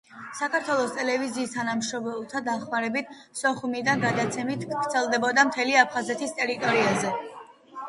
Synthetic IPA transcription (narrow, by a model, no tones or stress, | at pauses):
sakʰaɾt̪ʰwɛlˠɔst̪ʼɛlɛviziːst̪ʰanamʃɔmɛlˠt̪ʰad̪aχmaɾɛbit̪ʰsɔχumid̪anɡad̪at̪sʰɛmit̪ʰɡɾt̪sʰɛlˠd̪ɛbɔd̪amt̪ʰɛliapʰχazɛt̪ʰist̪ʼɛɾit̪ʼɔɾiazɛ